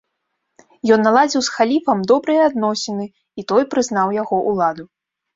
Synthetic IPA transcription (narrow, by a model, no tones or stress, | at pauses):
jɔnːalˠad͡zʲiwsxalʲifɐmd̪ɔbɾɨjɐad̪nɔsʲɛnɨ | it̪ɔjpɾɨznawjaɣɔʔulˠad̪u